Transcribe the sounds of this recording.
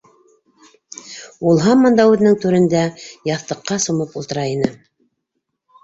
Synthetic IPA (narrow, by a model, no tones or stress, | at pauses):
ulˠɦɑmːɤ̆nd̪ɑʉðɘ̆nɘŋt̪ʉɾɘ̆nd̪æjɑθt̪ɤ̆qːɑsŏmɤpulˠt̪ɤ̆ɾɑinɤ